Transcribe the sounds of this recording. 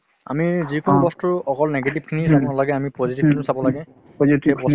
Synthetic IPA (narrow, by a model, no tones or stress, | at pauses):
a̰mizikonubɔstuɔkɔlneɡetib̚kʰinisabɔlaɡɛamipɔzitibkʰinsabɔlaɡɛ | itebɔ